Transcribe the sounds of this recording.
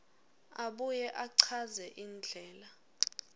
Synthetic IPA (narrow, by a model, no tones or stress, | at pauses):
aɓujɛʔaǀʰazɛʔind͡ɮʱɛːla